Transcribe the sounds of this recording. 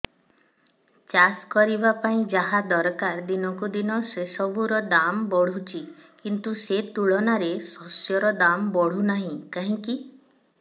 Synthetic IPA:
t͡ʃaskɔɾibapaĩd͡ʒaɦad̪ɔɾkaɾd̪inɔkud̪inɔsesɔbʱuɾɔd̪ambɔɽ̤ut͡ʃʰikint̪uset̪uɭɔnaɾesɔsjɔɾɔd̪ambɔɽ̤unaɦĩkaɦĩki

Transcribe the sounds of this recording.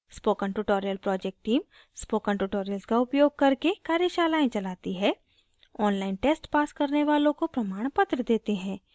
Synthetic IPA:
spoːkə̃ɳʈuːʈoːɾijəlpɾɔːd͡ʒek̚ʈːiːm | spoːkə̃ɳʈuːʈoːɾijəlskaʊpjoːɡ̚kɐɾkekaːɾjəʃaːlaːẽt͡ʃɐlaːt̪iɦɛː | ɔːnlaːɪnʈeːsʈpaːskɐɾneʋaːlõkopɾɐmaːɽ̃pət̪ɾəd̪eːt̪eɦɛ̃ː

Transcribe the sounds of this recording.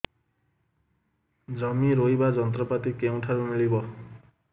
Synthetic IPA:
d͡zʌmiɾojbad͡zʌnt̪rɔpat̪ikew̃ʈʰaɾumilibʌ

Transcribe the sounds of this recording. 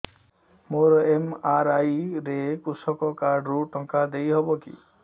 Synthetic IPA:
moɾɔemaɾajɾekusɔkɔkaɾɖɾuʈɔŋkad̪ejɦɔbɔkḭ

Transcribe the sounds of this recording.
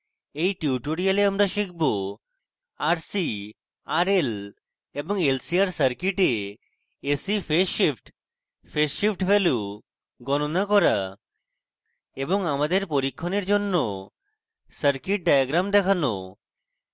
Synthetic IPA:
ejʈiuuʈoɽijaleamɾaʃikʰbo | aɾsi | aɾel | eboŋelsiaɾsəɾkiʈe | esifʰeʃipʰʈ | pʰeʃipʈbelu | ɡɔnonakɔɾa | eboŋamad̪eɾpoɾikʰːoneɾd͡ʑonːo | səɾkiʈ̚ɖajaɡɾamd̪ɛkʰano̰

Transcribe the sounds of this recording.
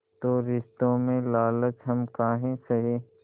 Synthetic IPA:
t̪oːɾɪʃt̪õmẽlaːlət͡ʃɦɐmkaːɦẽsɐɦeː

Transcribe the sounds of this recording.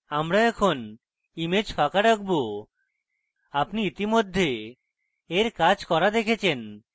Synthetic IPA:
amɾaɛkʰon | imed͡ʑfakaɾakʰbo | apniit̪imod̪ʱːe | eɾkad͡ʑkɔɾad̪ekʰet͡ɕʰen

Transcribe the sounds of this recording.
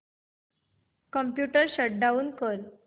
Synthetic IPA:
kəmpjuʈəɾɕəʈ̚ɖaʋuːnkəɾ

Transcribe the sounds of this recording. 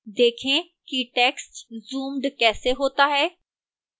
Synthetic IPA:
d̪eːkʰẽ | kiʈɛːksʈzuːmɖkɛːseɦoːt̪aɦɛː

